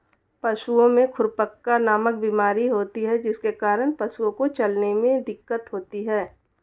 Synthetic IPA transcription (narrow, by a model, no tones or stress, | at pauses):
pɐʃuõmẽkʰʊɾpəkːanaːmək̚biːmaːɾiɦoːt̪iɦɛd͡ʒɪskekaːɾəɽ̃pɐʃuõkot͡ʃɐlnemẽd̪ɪkːət̪ɦoːt̪iɦɛː